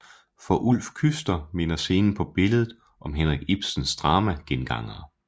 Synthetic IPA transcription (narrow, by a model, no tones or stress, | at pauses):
fɒ̽ʔul̰fkʰysd̥ɐme̝nɐse̝ːnn̩pʰɒ̽b̥e̝ləð̩ˠ | ʔɒ̽mɦenʁaɡ̥ib̥sən̩sd̥ʁɑ̈ːmæɡ̥enɡ̥ɑ̈ŋ̰ɐː